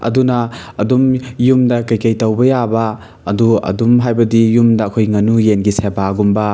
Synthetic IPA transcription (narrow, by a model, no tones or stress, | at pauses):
ɐ̰dunɐːdumjumdɐkɐjkɐjtɐwbɐjabɐː | duɐ̰dumɦajbɐdijumdɐːkʰojŋɐnujenɡisebaɡumbɐ